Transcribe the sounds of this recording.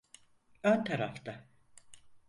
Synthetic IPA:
ønt̪ʰaɾaft̪ʰa

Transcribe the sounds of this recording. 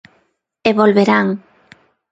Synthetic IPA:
eβolβeɾaŋ

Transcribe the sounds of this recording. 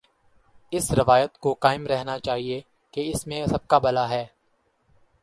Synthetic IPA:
ɪsɾɪʋaːjət̪kokaːɪmɾɛɦnat͡ʃaːɦie | keɪsmẽsɐb̚kabɐlaɦɛː

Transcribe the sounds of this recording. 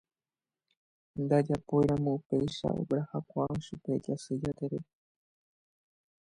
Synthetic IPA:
nd̪ad͡ʒapojɾãmõupejʃa̰o̰bɾahakʷamʃupe̞d͡ʒasɨd͡ʒat̪eɾe

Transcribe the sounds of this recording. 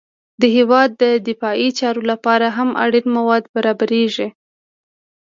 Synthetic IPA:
d̪əɦewɑd̪ːəd̪ɪfɑit͡ʃɑɾolapɑɾaɦamʔa̰ɽinmawɑd̪baɾɑbaɾeʒi

